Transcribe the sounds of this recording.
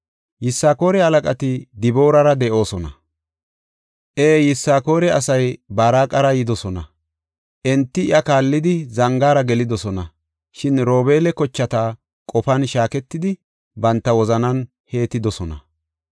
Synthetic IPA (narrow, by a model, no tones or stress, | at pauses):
jɪsːaːko̞ːɾɛhɐlɐkʼɐt̪ɪd̪ɪbo̞ːɾɐɾɐd̪ɛʔo̞ːsɔnɐ | ʔeːjɪsːaːko̞ːɾɛɐsɐjbaːɾaːkʼɐɾɐjɪd̪ɔsɔnɐ | ʔɛnt̪ːɪ̰ʔɐkaːlːɪd̪ɪzɐŋɡaːɾɐɡɛlɪd̪ɔsɔnɐ | ʃɪnɾo̞ːbe̞ːlɛkɔt͡ʃːɐt̪aː | kʼɔfɐnʃaːkɛt̪ːɪd̪ɪ | bɐnt̪ːɐwɔzɐnɐn | he̞ːt̪ːɪd̪ɔsɔnɐ̰